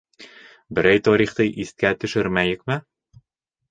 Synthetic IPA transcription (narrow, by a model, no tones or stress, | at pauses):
bɘ̆ɾæjt̪ɒɾʲiχt̪ɤʔist̪̚kæt̪ɵ̆ʃɘɾmæjɘ̆kmɘ